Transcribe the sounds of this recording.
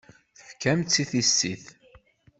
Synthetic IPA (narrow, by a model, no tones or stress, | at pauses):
θəfkːæmt͡sːiθisːiθ